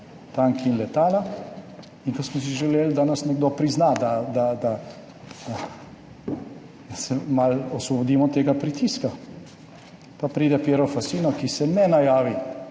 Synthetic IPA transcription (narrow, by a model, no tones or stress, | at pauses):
t̪aŋkiinlɛt̪aːla | iŋkɔsmɔs̬iʒɛleːld̪anasnɛɡd̪opɾiznad̪ad̪ad̪a | sɛmalɔsʋɔbɔd̪iːmɔt̪eːɡapɾit̪iska | papɾiːd̪ɛpjeːɾɔfasiːnɔkisɛnɛnajaːʋi